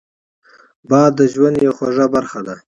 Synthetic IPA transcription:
bɑd̪ːəʒwand̪jawxoʐabaɾxad̪a

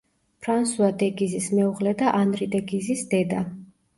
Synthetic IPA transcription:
pʰɾansuad̪ɛɡizismɛuʁlɛd̪aʔanɾid̪ɛɡizisd̪ɛd̪a

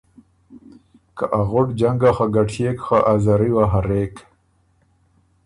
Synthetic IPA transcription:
kaʔaɣʊʈd͡ʒaŋɡaxaɡaʈʰekxaʔazaɾiwaɦaɾek

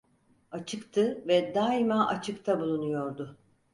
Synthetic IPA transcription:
at͡ʃʰɯkt̪ʰɯvɛd̪aːimaʔat͡ʃʰɯkt̪ʰabulˠunujo̞ɾd̪ʊ

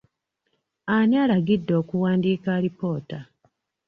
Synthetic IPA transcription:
aɲiaːlaɡidːo̞ːkuwaːndiːkaɾipo̞ːta

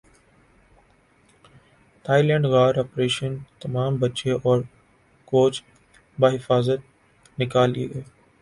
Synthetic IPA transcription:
t̪ʰaːɪlɛ̃ːɳɖɣaːɾaːpɾeːʃənt̪ɐmaːmbɐt͡ʃeʔɔːɾ | koːt͡ʃ | baːɦɪfaːzət̪̚ | nɪkaːlid̪eː

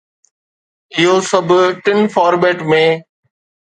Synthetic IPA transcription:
ɪɦoːsɐbʱʈɪnfaːɾbeːʈmẽː

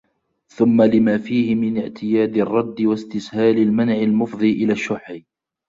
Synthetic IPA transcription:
θʊmːalɪmaːfiːhɪmɪnɪʕt̪ʰɪjaːd̪ɑrˤːɑd̪ːɪwast̪ɪshaːlalmanʕɪlmʊfðˤiːʔɪlaːʃːʊħi

